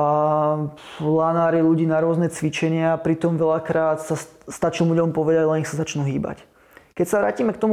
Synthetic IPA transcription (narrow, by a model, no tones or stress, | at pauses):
a | lanaːɾiluɟiːnaɾʊɔznɛt͡sʋit͡ʃɛɲɪaːpɾit̪ɔmʋɛlakɾaːt̪sast̪at͡ʃuːmuɟɛlɔmpɔʋɛd̪aɟlɛnixsazat͡ʃnuɦiːba̰c | kɛcsaʋɾa̰ːciːmɛk̚t̪ɔmu